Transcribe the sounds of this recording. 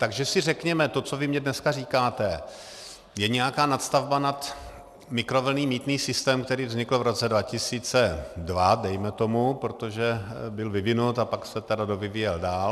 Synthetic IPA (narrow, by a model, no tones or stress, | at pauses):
t̪aɡʒɛsɪrɛkɲɛmɛt̪ot͡so̞vɪmɲɛdnɛskariːkaːt̪ɛ | jɛɲɛjakaːnat̪st̪avbanat̪ | mɪkɾo̞vl̩niːmiːt̪niːsɪst̪ɛːmkt̪ɛɾiːvzɲɪkl̩vɾo̞t͡sɛdvacɪsiːt͡sɛdvadɛjmɛt̪o̞mupɾot̪o̞ʒɛbɪlvɪvɪnut̪apaksɛt̪ɛdadovɪviːjɛldaːl